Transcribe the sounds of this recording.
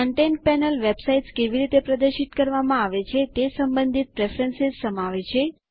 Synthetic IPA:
kəɳʈenpɛnəlʋebsaiʈskeʋiɾit̪epɾəd̪əɾʃit̪kəɾʋamãaʋet͡ʃʰet̪esəmbə̃nd̪ʱit̪̚pɾefɾənsezsəmaʋet͡ʃʰe

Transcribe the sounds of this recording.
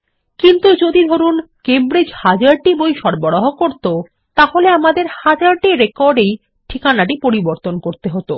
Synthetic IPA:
kint̪ud͡ʑod̪id̪ʱoɾunkembɾed͡ʑhad͡ʑaɾʈibojʃɔɾboɽoɦokoɾt̪o | t̪aholeamad̪eɾhad͡ʑaɾʈiɾekɔɾɖej | ʈʰikanaʈipoɾiboɾt̪onkoɾt̪eɦot̪o

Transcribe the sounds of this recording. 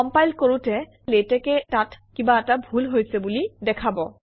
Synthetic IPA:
ɔmpajlkoɹutɛ | letɛkɛtatkibaɛtabʱulɦojsɛbulidɛkʰabɔ

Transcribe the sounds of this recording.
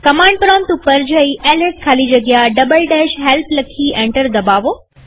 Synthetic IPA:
kɐmãːɳɖ̚pɾɔːmt̪upɐɾd͡ʑəiʔɛːlɪɾʈ̚kʰaːlid͡ʑɐɡɪjaɖɐbəlɖɛːʃɦɛːlpʰlɐkʰiʔẽːɳʈəɾd̪ɐbaːʋoː

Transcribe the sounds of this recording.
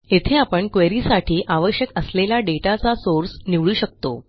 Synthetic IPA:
et̪ʰeapəɳkʋeɾiːsaʈʰiːʔaʋəɕjəkəslelaɖeʈat͡sasoɾsniʋɭuːɕək̚t̪o̰

